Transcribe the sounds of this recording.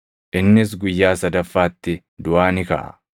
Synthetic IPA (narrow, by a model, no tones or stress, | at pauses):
ʔɪnːɪs̬ɡʊjːaːsɐd̪ɐfːaːt̪ːɪ | d̪ʊʔaːnɪkɐ̰ʔɐ̥̰